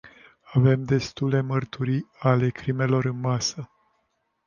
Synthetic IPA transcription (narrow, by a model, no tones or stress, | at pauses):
ave̞md̪e̞st̪ule̞mərt̪uɾiale̞kɾime̞lo̞ɾɨnmasə